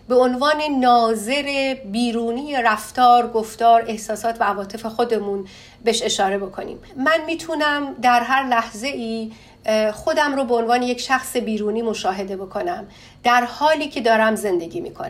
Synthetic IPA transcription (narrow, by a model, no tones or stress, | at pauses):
be̞onvɒːne̞nɒːze̞ɾebiːɾuːniːjeɾæft̪ɒːɾɡoft̪ɒːɾe̞hsɒːsɒːt̪ʰvæævɒːt̪ʰe̞fe̞xo̞d̪e̞mun | beʃe̞ʃɒːɾe̞bo̞kʰo̞nḭːmːænmiːt̪ʰunæmd̪æɾɦæɾlæhze̞ʔiː | xo̞d̪æmɾoːbeonvɒːne̞jecʃæxsebiːɾuːniːmo̞ʃɒːɦe̞d̪e̞bo̞kʰo̞næm | d̪̥æɾhɒːliːcʰe̞d̪ɒːɾæmze̞nd̪e̞ɟiːmḭːkʰon